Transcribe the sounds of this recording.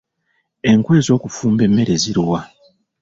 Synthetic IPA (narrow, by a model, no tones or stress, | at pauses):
e̞ŋkwe̞ːzo̞ːkufuːmbe̞mːe̞ɾeziɾuwa